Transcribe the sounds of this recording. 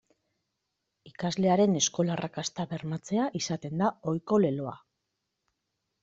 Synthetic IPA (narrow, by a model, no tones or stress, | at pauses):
ikazle̞aɾe̞ne̞sko̞larakast̪aβe̞ɾmat͡se̞aʔisat̪e̞nd̪ao̞jko̞le̞lo̞a